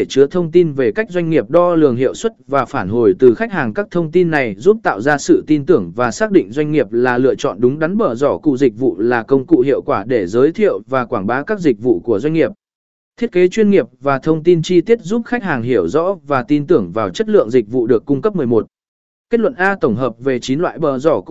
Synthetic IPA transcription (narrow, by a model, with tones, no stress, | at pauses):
e˧˩t͡ɕɨ˨˦ət̪ʰə˧wŋ͡mt̪i˧nve˨˩ka˦˥k̚zwa˧ŋ̟ŋi˨˩əp̚ɗɔ˧lɨ̰˨˩əŋɦḭ˧˨əwswə˦˥t̚vaː˨˩faː˧˩nɦo˧˩jt̪ɨ˨˩xa˦˥k̚haː˨˩ŋkaː˦˥k̚t̪ʰə˧wŋ͡mt̪i˧nːa˨˩jzu˦˥p̚t̪a̰ː˧˨wzaː˧sɨ̰˧˨t̪i˧nt̪ɨ˧˩əŋvaː˨˩saː˦˥k̚ɗḭ̈˧˨ŋ̟zwa˧jŋ̟ŋi˨˩əp̚laː˨˩lɨ̰˧˨ət͡ɕɔ̰˧˨nɗʊ˨˦ŋ͡mɗa˨˦nɓəː˧˩zɔ˧˩kṵ˧˨zï˨˩k̟̚vṵ˧˨laː˨˩kə˧wŋ͡mkṵ˧˨hḭ˧˨əwkwaː˧˩ɗe˧˩zəː˨˦jt̪ʰḭ˧˨əwvaː˨˩kwaː˧˩nɓaː˨˦wkaː˦˥k̚zï˨˩k̟̚vṵ˧˨ku˧˩əzwa˧jŋ̟ŋi˨˩əp̚ | t̪ʰi˦˥ət̚ke˨˦t͡ɕwi˧ənŋi˨˩əp̚vaː˨˩t̪ʰə˧wŋ͡mt̪i˧nt͡ɕi˧t̪i˦˥ət̚zu˦˥p̚xa˦˥k̚haː˨˩ŋɦi˧˩əwzɔ̰˧˥vaː˨˩t̪i˧nt̪ɨ˧˩əŋvaː˨˩wt͡ɕə˦˥t̚lɨ̰˧˨əŋzï˨˩k̟̚vṵ˧˨ɗɨ˨˩əkːʊ˧ŋ͡mkə˦˥p̚mɨ˨˩əjmo˨˩t̚ | ke˦˥t̚lwə̰˧˨nʔaː˧t̪ə˧˩wŋ͡mɦəː˨˩p̚ve˨˩t͡ɕi˨˦nlwa̰ː˧˨jɓə̰ː˧˩zɔ˧˩